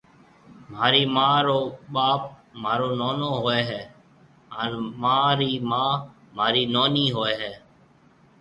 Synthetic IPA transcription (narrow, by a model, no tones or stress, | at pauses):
m̤aːɾiːmãːɾoːɓaːp̚maːɾoːnoːnoːɦoːɛːɦɛː | ənmãːɾiːmãː | maːɾiːnoːniːɦoːeːɦɛː